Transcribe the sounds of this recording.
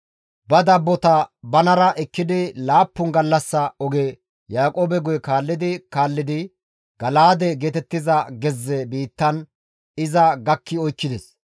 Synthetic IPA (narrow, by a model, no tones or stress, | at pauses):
bɐd̪ɐbːɔt̪ɐbɐnɐɾɐʔɛkːɪd̪ɪlaːpːʊnɡɐlːɐsːɐɔɡe | jaːkʼoːbɛɡɔjɛkaːlːɪd̪ɪkaːlːɪd̪ɪ | ɡ̥ɐlaːd̪ɛɡeːt̪ɛt̪ːɪzɐɡɛzːɛbiːt̪ːɐn | ɪzɐɡɐkːɪɔjkːɪd̪ɛs